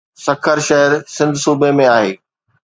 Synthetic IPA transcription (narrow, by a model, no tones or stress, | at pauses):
sɐkʰəɾʃɐɦəɾsɪ̃nd̪ʱsuːbemẽaːɦeː